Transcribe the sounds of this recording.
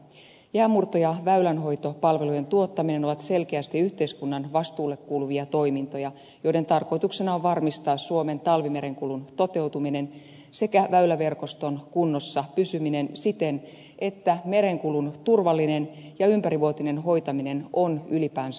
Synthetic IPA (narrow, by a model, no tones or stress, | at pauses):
jæːmurt̪o̞jɑʋæylænɦo̞jt̪o̞pɑlʋe̞luje̞nt̪uo̞t̪ːɑmine̞no̞ʋɑt̪se̞lk̟eæst̪iyht̪e̞iskunːɑnʋɑst̪uːlːe̞kːuːluʋiɑt̪o̞imint̪o̞jɑ | jo̞jdent̪ɑrko̞jt̪uksenɑoʋɑrmist̪ɑːsːuo̞me̞nt̪ɑlʋime̞ɾe̞ŋkulunt̪o̞t̪e̞wt̪umine̞n | se̞kæʋæylæʋe̞rko̞st̪o̞nkunːo̞sːɑpysymine̞nsit̪en | ʔe̞t̪ːæme̞ɾe̞ŋkulunt̪urʋɑlːine̞njɑympæɾiʋuot̪ine̞nɦo̞jt̪ɑmine̞no̞nylipæːns